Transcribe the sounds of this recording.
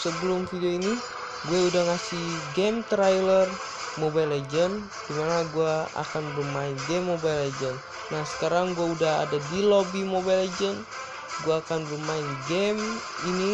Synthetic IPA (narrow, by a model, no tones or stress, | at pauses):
səbəlumfidioini | ɡuɛudaŋasihɡɛmt̪ɾajlɛr | mɔbailɛd͡ʒən | d̥imanaɡuaa̰kanbəmainɡɛmːɔbajlɛd͡ʒənː | asə̥kaɾaŋɡuɛudaɦa̰dadilɔbimobailɛd͡ʒən | ɡuaːkanbəmainɡɛmini